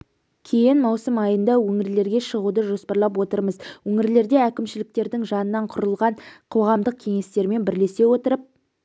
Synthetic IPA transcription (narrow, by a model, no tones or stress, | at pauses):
kʲʰejɪnmɑwsəmɑjənd̪ɑwɵŋɪɾle̞ɾɡʲe̞ʃəʁud̪əʒo̞spɑɾlˠɑp̬wo̞t̪əɾməzwɵŋɪɾle̞ɾd̪e̞ækʲɪmʃɪlɪk̚t̪e̞ɾd̪ɪŋʒɑnənːɑɴqʰʊɾəlˠʁɑɴqʰo̞ʁɑmd̪əq̚kʲʰe̞ŋe̞st̪e̞ɾme̞nbɪɾle̞se̞wo̞t̪əɾəp̚